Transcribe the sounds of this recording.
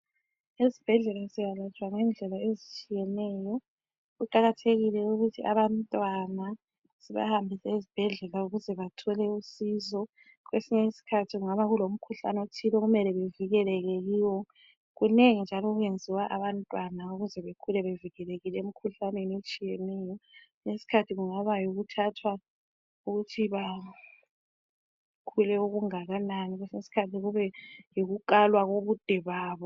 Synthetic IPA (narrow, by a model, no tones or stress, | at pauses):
ezib̥ʱɛɮɛlazijalat͡ʃʼwaŋɛnd͡ɮʱɛlaezit͡ʃʼijɛnɛjɔ | ɣuǃaɣatʰeɣilɛuɣutʰiʔa̰βantʼwana | siβa̰hambʱisɛizib̥ʱɛɮɛlauɣuzɛβatʰɔlɛusizɔ | ɣwesiɲɛisi̥kʰatʰiɣuŋaβaɣulom̩kʰuɬa̰nɛotʰilɔɣumɛlɛβeviɣɛlɛɣɛɣiwɔ | ɣuneŋind͡ʒʱalɔɣwend͡zʱiwaʔaβantʼwanaoɣuzɛβekʰulɛβeviɣɛleɣilɛem̩kʰuɬanenet͡ʃʼijenɛjɔ | ŋesi̥kʰatʰiɣuŋaβajoɣutʰatʰwa | uɣutʰiβa | kʰulɛuɣuŋaɣananiɣwesinesi̥kʰatʰiɣuβɛjoɣukʼalwaɣoβud̥ʱɛβaːβɔ